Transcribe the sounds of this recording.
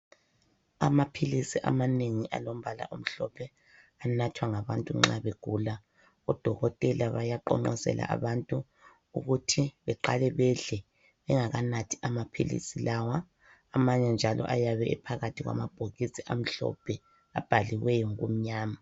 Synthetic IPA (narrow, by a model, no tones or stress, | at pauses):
amapʰilisiʔa̰maneŋiʔa̰lom̩βala̰ʔum̩ɬɔpʰɛ | anatʰwaŋaβantʼuŋ͡ǁaβeɡ̥ʱula | ɔd̥ʱɔɣɔtʼɛlaβajaǃɔ̰ŋ͡ǃɔsɛ̰lʔa̰ʔa̰βantʼu | ṵɣutʰiβɛǃalɛβɛɮɛ | βɛŋaɣanatʰi̥amapʰḭlḭsilawaː | maɲɛnd͡ʒʱalɔ̰ʔajaβɛɛpʰaɣatʰiɣwa̰mab̥ʱoɣisiʔam̩ɬɔ̰pʰɛ | ab̥ʱaliwɛjɔŋɣṵm̩ɲaːma